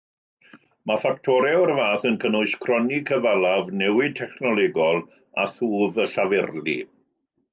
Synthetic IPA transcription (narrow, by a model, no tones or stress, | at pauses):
mafak̚tʰɔɾɛɔrvaːθənkʰənʊɨskʰrɔnikʰəvalˠavnɛwɪtʰɛχnɔlɛɡɔlˠ | aθuːvəɬavɛrlḭ